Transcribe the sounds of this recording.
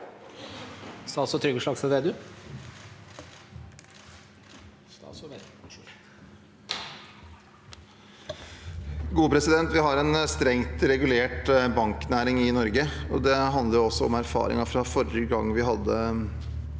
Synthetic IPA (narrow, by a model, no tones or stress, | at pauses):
sɑsɔt̪ʰɾʏɡəʂɭɑɡsɛd̪ɛd̪ʉ | ɡuːpʰɾɛsɪd̪ɛnt̪ʋɪɦɑɾɛnst̪ɾɛŋt̪ɾɛɡʉleːʈbɑŋknæːɾɪŋɪnɔɾɡəɔd̪ɛɦɑnd̪ləɾɔsːɔɔ̰mæɾfɑ̰ːɾɪ̰ŋɑfɾɑfɔɾəɡɑŋːʋɪɦɑd̪ːə